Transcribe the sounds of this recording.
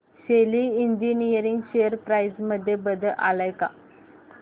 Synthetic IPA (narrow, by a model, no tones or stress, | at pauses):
ɕeliiɲd͡ʒinijəɾiŋɡɕejəɾpɾajsməd̪ʱːjebəd̪ʱəʔalajka̰